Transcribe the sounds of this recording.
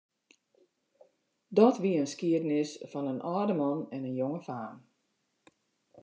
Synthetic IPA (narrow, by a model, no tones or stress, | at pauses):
dɔtʋiəənskiədnɪsfɔnənʔɔːdəmɔnɛnənjoŋəfaːm